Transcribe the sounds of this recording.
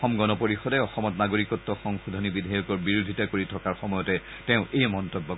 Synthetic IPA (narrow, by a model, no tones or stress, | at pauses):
ɔmɡɔnɔpoɹixɔdɛɔxɔmɔtnaɡoɹikɔtːɔxɔŋxudʱɔnibidʱajukɔɹbiɹudʱitakoɹitʰɔkaɹxɔmɔjɔtɛ | tɛ̃ʊ̃ʔejmɔntɔbːɔ